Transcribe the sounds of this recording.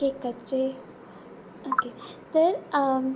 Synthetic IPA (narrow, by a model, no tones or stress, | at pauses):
ekət͡ʃe | oket̪əɾ